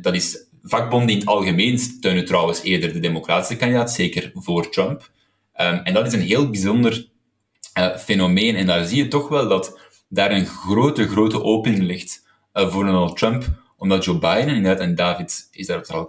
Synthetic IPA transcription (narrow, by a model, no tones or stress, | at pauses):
d̥ɑtɪs | vɑɡ̚bɔndəɪnətɑlˠɣəmeːnsttøːnətrɔwəseːrdərdədemokraːtɪ̥səkɑndidaːtseːkərvoːrtrœmp | əɛndɑtɪsənɦeːlˠbizɔndər | əfeːnomeːnɛndaːrziːjətɔxʋɛlˠdɑt | daːɾənɣroːtəɣroːtəʔoːpənɪŋlɪxt | voːrdɔnəlˠt̚ːrœmp | ɔmdɑt̚d͡ʒoːbajdənɪndərdaːtɛndaːvɪtɪzdaːɾoftəɑlˠ